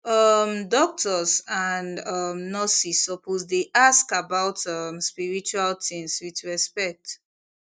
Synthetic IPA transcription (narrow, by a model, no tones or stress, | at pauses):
ʌmdɔk̚tʰɔzãnʌmnasisːɔpʰozdeʔaskabaʊtʌmspiɹit͡ʃualtĩnswiðɹɛspɛk̚t